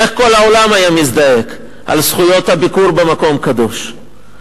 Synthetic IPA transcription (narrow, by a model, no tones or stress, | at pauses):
eχko̞lao̞lamajamisd̪aje̞k | ʔa̰lsχujo̞t̪habikuɾbemako̞mkad̪o̞ʃ